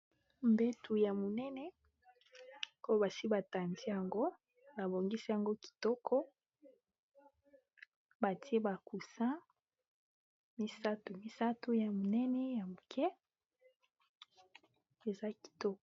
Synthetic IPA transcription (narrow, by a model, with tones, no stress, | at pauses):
mbe˦tu˨ja˨mo˨nɛ˦nɛ˦ | o˦o˦ba˨si˦ba˨ta˨nzi˦ja˨ŋɡo˦ | ba˨bo˨ŋɡi˦si˦ja˨ŋɡo˦ki̥˨tɔ˦kʰɔ˦ | ba˨ti˦e˦ba˨ku˨sa˦ | mi˦sa˦tu˨mi˦sa˦tu˦ja˨mo˨nɛ˦nɛ˦ja˨mo˨kʰɛ˦ | e˨za˦ki̥˨tɔ˦kɔ˨